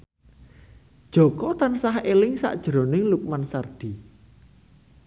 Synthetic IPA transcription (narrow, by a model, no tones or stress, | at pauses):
d̥ʒ̥o̤kɔt̪ansahelɪŋsa̰ʔd̥ʒ̥ɾonɪŋluk̚mansard̪̥i̤